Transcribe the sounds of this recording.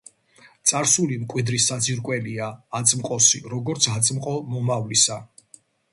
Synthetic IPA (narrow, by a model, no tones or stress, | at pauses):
t̪sʼaɾsulimkʼwid̪ɾisad̪ziɾkʼwɛliaːt̪sʼmqʼɔsiɾɔɡɔɾt̪sʰat̪sʼmqʼɔmɔmavlisa